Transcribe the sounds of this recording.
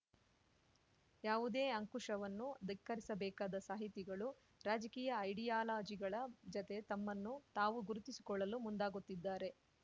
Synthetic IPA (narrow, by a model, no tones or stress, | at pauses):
jaːʋud̪e̞ːɐŋkuʂɐʋɐnːud̪ikːɐɾisɐbɛːkaːd̪ɐsaːɦit̪iɡɐɭu | ɾaːd͡ʒɐkiːjɐːjɽijaːlaːd͡ʒiɡɐɭɐd͡ʒɔt̪e̞t̪ɐmːɐnːut̪aːʋuɡuɾut̪isi̥kɔɭːɐlumund̪aːɡut̪ːid̪ːaːɾe̞